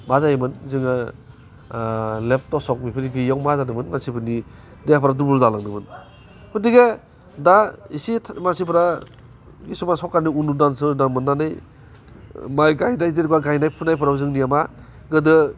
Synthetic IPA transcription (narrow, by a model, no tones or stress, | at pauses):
mazajimɯnzɯŋa | lep̚tɔsɔk̚mipʰɯɾiɡɯjawmazanɯmɯnmansipʰɯɾni | deapʰɾadubuɾzalaŋnɯmɯn | kʰudiɡe | daisimansipʰɾa | ɡisumansɔkaniunudansɯnamɯnːanɯj | majɡajnajzeɾɡwaɡajnajpʰunajpʰɯɾawzɯŋnijama | ɡɯdɯ